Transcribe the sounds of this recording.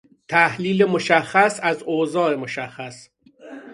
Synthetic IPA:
t̪ʰæhliːlemoʃæxːæsæzoːzɒːemoʃæxːæs

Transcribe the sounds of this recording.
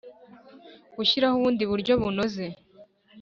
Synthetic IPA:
ɡuɕiɾahuβuːndiβuɾɟo̞βuno̞ze̞

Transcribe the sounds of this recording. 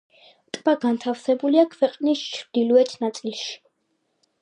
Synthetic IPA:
t̪ʼb̥aɡant̪ʰafsɛbuliakʰwɛqʼnist͡ʃʰɾd̪̥ilɔɛt̪ʰnat̪sʼilˠʃi̥

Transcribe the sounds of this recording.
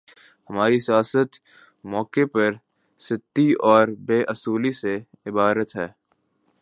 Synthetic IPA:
hɐmaːɾisijaːsət̪ | mɔːkepɐɾ | sɪt̪ːiɔːɾbeːʔɐsuːlise | ɪbaːɾət̪ɦɛː

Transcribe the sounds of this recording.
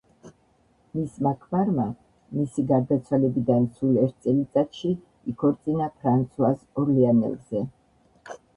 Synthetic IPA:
mismakʰmaɾma | misiɡaɾd̪at̪sʰwalɛbid̪ansulɛɾt̪̚ʰt̪sʼɛlit̪sʼat̪ʃi | ikʰɔɾt̪sʼinapʰɾant̪sʰuasɔɾlianɛ̰lˠzɛ

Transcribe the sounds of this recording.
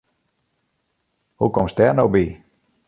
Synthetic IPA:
hukɔmsd̪ɛnowbi

